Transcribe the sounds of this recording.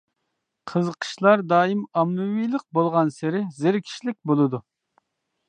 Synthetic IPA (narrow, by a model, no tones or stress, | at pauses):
qʰəzəqʰə̥ʃlˠɑɾd̪ɑːimɑmnuwijlˠəq̚bolˠʁɑnsɪɾɪzɪɾkʲʰi̥ʃlɪk̚ʲbolˠɨd̪u